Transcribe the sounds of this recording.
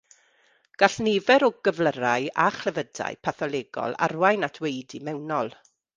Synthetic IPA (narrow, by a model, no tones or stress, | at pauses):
ɡ̥aɬneːvɛɾɔɡəvləɾajaχlɛvəda̰jpʰaθɔlˠeːɡɔ̰lˠa̰rwajnatʰwejdimɛwnɔlˠ